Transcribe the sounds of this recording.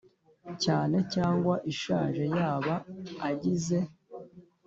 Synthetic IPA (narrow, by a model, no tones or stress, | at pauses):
caːne̞caːŋɡwaʔiʃaːʒe̞jaːβaːɟize̞